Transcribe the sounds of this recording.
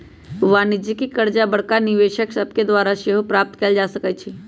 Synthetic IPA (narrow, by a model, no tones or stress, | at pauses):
ʋaːnɪd͡ʒikikəɾd͡ʒabəɽ̤kaniʋeːʃəksəb̚ked̪ʋaːɾaʃeɦopɾaːp̚t̪keld͡ʒasəkət͡ʃʰi